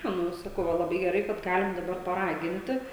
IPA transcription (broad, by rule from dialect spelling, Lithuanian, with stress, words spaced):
ˈnʊ ɪ sɐˈkɐʊ ˈʋɐ lˠɐˈbɐɪ ɡʲɛˈrɐɪ kɐt ˈɡɑːlʲɪm dɐˈbɐr pɐˈrɑːɡʲɪnʲtʲɪ